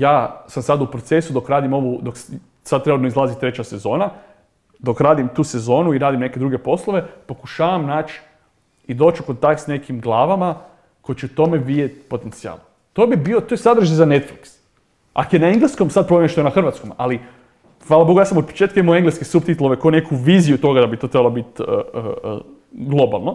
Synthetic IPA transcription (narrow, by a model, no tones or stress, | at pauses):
jaːsamsad̪upɾot̪se̞sud̪o̞kɾaːd̪imo̞ʋud̪o̞k | sad̪t̪ːɾenut̪noizlˠaːzit̪ɾe̞t͡ɕase̞zo̞ːna | d̪o̞kɾaːd̪imt̪uːse̞zo̞ːnuiɾaːd̪imne̞ke̞d̪ɾuɡe̞po̞slˠoʋe̞po̞kuʃaːʋamnaːt͡ʃ | id̪o̞ːt͡ʃuko̞nt̪ak̚t̪sne̞kimɡlˠaːʋama | ko̞jit͡ɕeut̪o̞me̞ʋiet̪po̞t̪ent̪sia̰ːlˠ | t̪obibiot̪ojesad̪ɾ̩ʒizane̞t̪fliks | a̰kojenaeŋɡleskomsad̪̚pɾomjenʃt̪oenaxr̩ʋat̪skoma̰li | xʋaːlˠaboɡojasamot̪po̥t͡ʃe̞t̪kaimamoeŋɡleskesup̚t̪it̪uloʋe̞konekʰuʋiːzijut̪o̞ɡad̪abit̪o̞t̪ɾebalobit̪ə̰ | ɡlˠo̞ba̰lˠno